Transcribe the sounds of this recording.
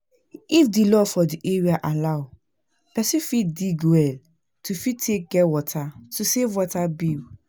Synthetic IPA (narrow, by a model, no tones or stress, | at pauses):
ifdilɔfɔdiʔeɹiaʔalaw | pɛsĩfit̚diɡwɛl | tufitʰek̚ɡɛwɔtʰatusevwɔtabi